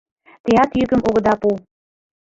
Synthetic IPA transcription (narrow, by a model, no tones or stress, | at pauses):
t̪eɑt̪jykə̆mʔoɣɤ̆d̪ɑpu